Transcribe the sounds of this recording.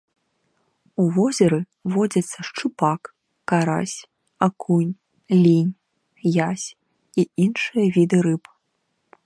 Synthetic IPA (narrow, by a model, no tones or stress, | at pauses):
uvɔzʲɐɾɨ | vɔd͡zʲɐt̪sːɐʂt͡ʂɨpakː | aɾa̰sʲ | akʰunʲ | lʲinʲ | jasʲ | iinʂɨjɐvʲid̪ɨɾɨp